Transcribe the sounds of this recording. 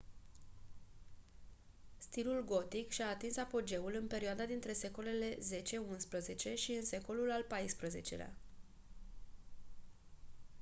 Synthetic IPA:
st̪ilulɡo̞t̪ikʃaːt̪insapo̞d͡ʒe̞ulɨnpe̞ɾioad̪ad̪int̪ɾe̞se̞ko̞le̞le̞ze̞t͡ʃe̞unspɾəze̞t͡ʃe̞ʃiɨnse̞ko̞lulalpajspɾəze̞̰t͡ʃe̞̰lea̰

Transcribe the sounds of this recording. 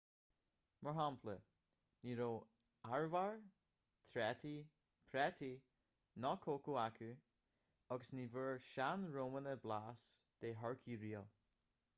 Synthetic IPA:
məɹɦampʰlə | niːɾoː | aɹvaɹ | t̪ʰɾɛt̪ʰi | pʰɾɛt̪ʰi | nɔkʰoːkuakʰu | ɔɡəsniːvəɹʃanɹoːmənəblaːsd̪̥eːɦɔɹkʰiːɹiːə

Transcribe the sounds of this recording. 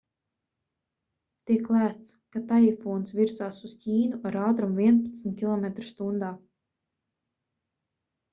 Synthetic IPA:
t̪iɛkːlˠæːst̪skat̪aifɔːnsviɾzaːsuz̥cʲiːnuʔaɾaːt̪ɾumviɛnpat̪smʲt̪̚kʲilˠɔmet̪ɾu̥st̪und̪aː

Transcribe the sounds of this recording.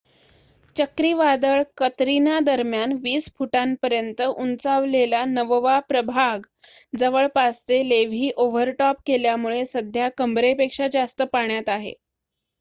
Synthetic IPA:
t͡ɕəkɾiːʋad̪əɭkət̪ɾinad̪əɾmjanʋiːsfuʈampəɾjənt̪əʔunt͡saʋlelanəʋʋapɾəbʱaɡ | d͡zəʋəɭpast͡seleʋ̤ʱiːʔoʋəɾʈɔp̚keljamuɭesəd̪ʱjakəmbɾepekʂad͡zast̪əpaɳjat̪aɦḛ

